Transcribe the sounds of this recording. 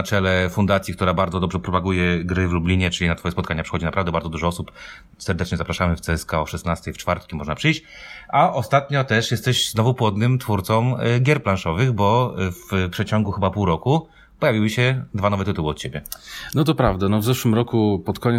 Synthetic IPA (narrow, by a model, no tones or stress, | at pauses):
t͡ʂɛlɛfund̪at̪sʲik̚t̪uɾabaɾd̪ɔd̪ɔbʐɛpɾɔpaɡujɛɡɾɘvlublʲiɲɛt͡ʂɘlinat̪fɔjɛspɔt̪kaɲapʂɘ̥xɔd͡ʑinapɾavd̪ɛbaɾdzɔd̪uʐɔɔsup | sɛɾd̪ɛt͡ʂɲɛzapɾaʂamɘft̪sɛɛskaɔʂɛsnast̪ɛjft͡ʂfaɾt̪kʲimɔʐnapʂɘjɕt͡ɕaʔɔst̪at̪ɲɔt̪ɛʂjɛst̪ɛɕznɔvupwɔd̪nɘmt̪fuɾt̪sɔmɡʲjɛɾplanʂɔvɘɣbɔfpʂɛt͡ɕɔŋɡuxɘbapuwɾɔku | pɔjavʲiwɘɕɛd̪vanɔvɛt̪ɨt̪uwɘɔt̪t͡ɕebʲjɛnɔt̪̬ɔpɾavd̪anɔvzɛʂwɘmɾɔkupɔt̪kɔɲ